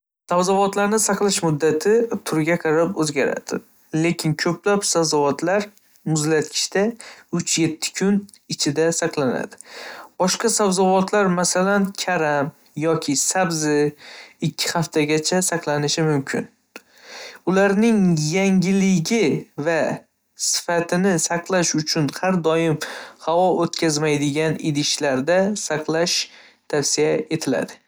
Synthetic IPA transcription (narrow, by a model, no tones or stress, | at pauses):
savzɒvɒt̪laɾnɪsɑqlˠɪʃmʊd̪ːat̪ʰɪt̪ʰʊɾɡʲaqʰɑɾapɵzɡʲaɾa̰d̪̥ɪ̰ | le̞kʲʰɪnkʰɵplapsavzɒvɒt̪ʰlaɾ | mʊzlat̪kʰʲɪ̥ʃt̪aʊt͡ʃʰje̞t̪ʰːɪ̥kʰʲʊn | ɪt͡ʃʰɪd̪asɑqlˠana̰d̪ɪb̥ɒʃqɑsabzɒvɒt̪ʰlaɾmasalankʲʰaɾam | jɒkʲʰɪsabzɪɪkʲʰːɪhaft̪ʰaɡʲat͡ʃʰasɑqlˠanɪʃɪmʊmkʲʰɪ̰n | ʊlaɾnɪŋjaŋɡʲɪlɪɡʲɪva | sɪ̥fat̪ʰɪnɪsɑqlˠaʃʊt͡ʃʰʊnhaɾd̪ɒjɪmhavɒʔot̪kʲʰazmajd̪ɪɡʲanɪd̪ɪʃlaɾd̪asɑqʰlˠaʃ | t̪ʰafsijae̞t̪ʰɪla̰d̪ɪ